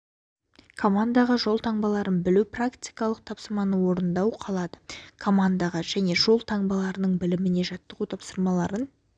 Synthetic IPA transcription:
kʰo̞mand̪ɑʁəʒo̞lˠt̪ʰɑɴbɑlˠɑɾənbɪluprakt̪ijkɑlˠəq̚t̪ʰɑpsəɾmɑnəwo̞ɾənd̪ɑwqʰɑlˠɑd̪əkʰo̞mand̪ɑʁɑʒ̥æne̞ʒo̞lˠt̪ʰɑɴbɑlˠɑɾənəɴbɪlɪmɪne̞ʒɑt̪ːəʁut̪ʰɑpsəɾmɑlˠɑɾən

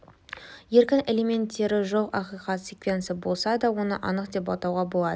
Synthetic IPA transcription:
je̞ɾkʲɪne̞le̞me̞nt̪ːe̞ɾɪʒoqɑqijqɑt̪sʲekvʲe̞nt̪sɪbo̞lˠsɑd̪ɑwo̞nə̰ʔɑnəqd̪e̞pɑt̪ɑwʁɑbo̞lˠɑd̪ə

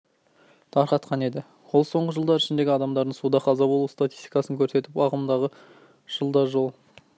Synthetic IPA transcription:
t̪ʰɑɾqɑt̪qɑne̞d̪ɪ | wolˠso̞ɴʁəʒəlˠd̪ɑɾɪʃɪnd̪e̞ɡʲɪɑd̪ɑmd̪ɑɾd̪əɴsud̪ɑqʰɑzɑbolˠust̪at̪i̥st̪i̥kɑsəŋkʲʰɵɾse̞t̪ɪpɑʁəmnd̪ɑʁə | ʒ̥əlˠd̪ɑʒo̞lˠ

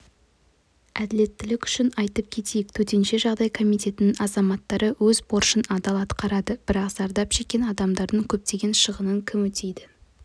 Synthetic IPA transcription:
æd̪ɪle̞t̪ːɪlɪkʲʏ̥ʃɪnɑjt̪əp̚kʲʰe̞t̪ʰe̞jɪk̚t̪ʰɵt̪e̞nʃe̞ʒɑʁd̪ɑjkʰo̞mijt̪e̞t̪ɪnɪŋɑzɑmɑt̪ːɑɾəwɵzbo̞ɾʃənɑd̪ɑlˠɑt̪qɑɾɑd̪əb̥ɪɾɑqz̥ɑɾd̪ɑpʒ̥e̞kʲe̞nɑd̪ɑmd̪ɑɾd̪əŋkʲʰɵp̚t̪e̞ɡʲe̞nʃəʁənəŋkʲʰɪmwɵt̪ʰe̞jd̪ɪ

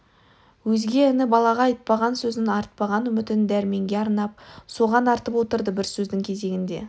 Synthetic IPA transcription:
wɵzɡʲe̞ɪnɪbɑlˠɑʁɑɑjt̪̚pɑʁɑnsɵzɪnɑɾt̪̚pɑʁɑnʏmɪt̪ɪnd̪æɾme̞ŋɡʲe̞ɑɾnɑp̚so̞ʁɑnɑɾt̪əpwo̞t̪əɾd̪əbɪɾsɵzd̪ɪŋkʲʰe̞ze̞ɡʲɪnd̪e̞̰

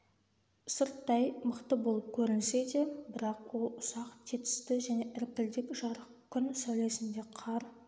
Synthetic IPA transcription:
səɾt̪ːɑjməqt̪əbo̞lˠəp̚kʲʰɵɾɪnse̞d̪ebɪɾɑqwo̞lˠʊsɑqt̪ʰet̪ɪ̥st̪ɪʒæne̞ʔɪɾp̚t̪ɪld̪ɪkʒɑɾəqkʲʰʏnsæwle̞sɪnd̪e̞qʰɑɾ

